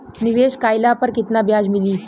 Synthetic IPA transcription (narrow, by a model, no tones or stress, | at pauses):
niʋeɕkajlapəɾkit̪nabjad͡zmiliː